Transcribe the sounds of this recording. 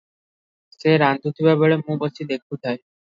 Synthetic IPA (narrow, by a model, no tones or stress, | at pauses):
seɾand̪ʱut̪ʰibɛboɭemũbot͡ɕid̪ekʰut̪ʰae